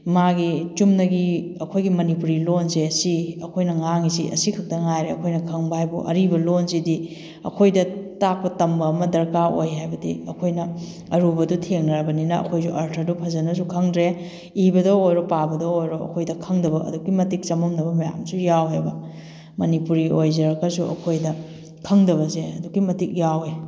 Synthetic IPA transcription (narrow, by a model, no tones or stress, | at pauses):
maɡit͡ʃumnɐɡiɐkʰojɡimɐnipuɾilonzeɐsiɐkʰojnɐŋaŋiziʔɐ̰sikʰɐk̚tɐŋajɾeɐkʰojnɐkʰɐŋbɐhajbuʔɐ̰ɾibɐlonzidi | ɐ̰kʰojdɐtak̚pɐtɐmbɐːmɐdɐɾkao̰jɦajbɐdḭɐkʰojnɐ | ɐɾubɐdutʰeŋnɾabɐninɐɐ̰kʰojsuʔɐɾtʰɐɾdupʰɐzɐnɐs̬ukʰɐŋdɾe | ibɐdɐojɾopabɐdɐojɾoɐ̰kʰojdɐkʰɐŋdɐbɐɐ̰duɡimɐtik̚t͡ʃɐmɐmdɐbɐmɐja̰msujawɦajbɐ | mɐnipuɾiojzɐɾɐkɐsuʔɐ̰kʰojdɐ | kʰɐŋdɐβɐseɐduɡimɐtik̚jawe